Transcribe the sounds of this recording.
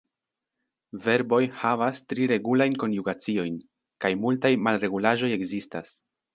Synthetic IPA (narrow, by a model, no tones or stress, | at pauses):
ve̞ɾbo̞jhavastɾiɾe̞ɡulajnko̞njuɡat͡sio̞jn | kajmultajmalɾe̞ɡulaʒo̞je̞ɡzistas